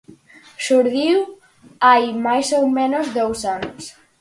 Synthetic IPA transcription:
ʃuɾðiw | ajmajsowmẽnozðowsanos

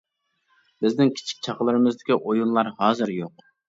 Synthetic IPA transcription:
bɪznɪŋkʲʰi̥t͡ʃʰi̥k̚ʲt͡ʃʰɑqlˠɨɾɨmɨzd̪ɪkʲiʔojunlˠɑɾhɑːzɨɾjoq̚

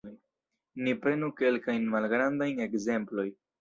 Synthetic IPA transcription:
j | nipɾe̞nuke̞lkajnmalɡɾand̪ajne̞ɡze̞mplo̞j

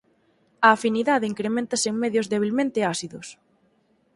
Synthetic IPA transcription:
ɐːfiniðaðeiŋkɾemẽnt̪ɐseŋmeðjʊzðeβ̞ilmẽnt̪easiðʊs

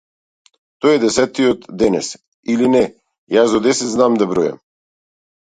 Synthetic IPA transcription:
t̪ɔjɛd̪ɛsɛt̪ːiɔt̪d̪ɛnɛs | ilinɛ | jasd̪ɔd̪ɛsɛt̪znamd̪abɾɔjɛ̰m

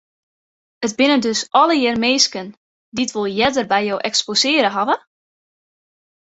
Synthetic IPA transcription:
ətbɪnəndøsʔɔləjɪrmeːskən | ditʋolˠjɛdərbɛjowʔɛksposɪːəɾəɦavə

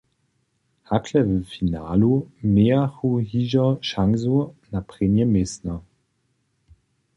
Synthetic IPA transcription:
hakʰlɛvəfinaːlomeaχuhiːʒɐʃaŋzonapʁ̥enjəmɪsnɐ

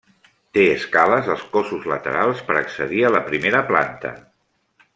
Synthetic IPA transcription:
t̪eəskaləzəlˠskosuzlət̪ə̰ɾalˠspəɾəksəðiələpɾimeɾəpla̰nt̪ə̰

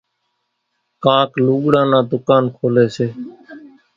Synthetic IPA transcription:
kãːkluːɠɽãːnãːd̪ʊkaːnkʰoːleːseː

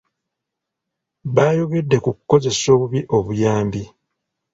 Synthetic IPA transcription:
βaːjo̞ɡe̞dːe̞kukukːo̞ze̞so̞ːβuβiʔo̞βujaːmbi

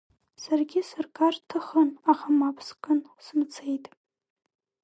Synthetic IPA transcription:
sarɡʲɪsɨrkʰʼartʰɨχənaχamapʰskʼɨnsmt͡sʰejtʼ

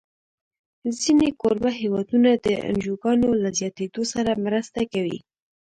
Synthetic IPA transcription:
zinekoɾbaɦewɑd̪unad̪əa̰nʒoɡɑnolazjɑt̪ed̪osaɾamɾəst̪akawḭ

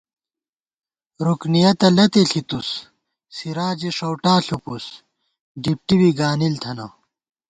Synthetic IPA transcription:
ɾuknijɐt̪ɐlɐt̪eɬʰit̪us | siɾaːd͡ʑiʂowʈaːɬupus | ɖip̚ʈibiɡaːnilt̪ʰɐnɐ

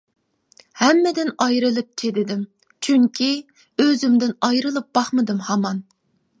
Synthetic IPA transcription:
hɛmːɪd̪ɪnɑjɾɨlˠɨp̚t͡ʃʰed̪ɪd̪ɪm | t͡ʃʰyŋkʲʰi | øzymd̪ɪnɑjɾɨlˠɨp̚b̥ɑχmɨd̪ɨmhɑmɑn

